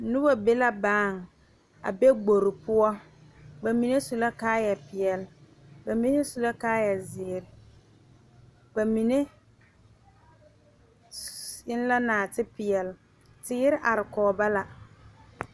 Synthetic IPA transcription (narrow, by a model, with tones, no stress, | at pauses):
nʊ˦ba˦be˦la˦baː˦˨ŋ | a̰˨be˦ɡ͡bo˨ɾɪ˨pʊ˦ɔ˦ | ɡ͡ba˨mi˨ne˦su˨la˦kaː˦ja˨pɪ˨jɛ˨l | ba˨mi˦ne˦su˨la˦kaː˦jɛ˨zɪː˨ɾɪ˨ | ɡ͡ba˨mi˨ne˦ | ɪ˦n˦la˦naː˨tɪ˦pɪ˨ɛ˨l | tɪː˦ɾɪ˦ʔa˨ɾɪ˨kɔː˨ba˦la˨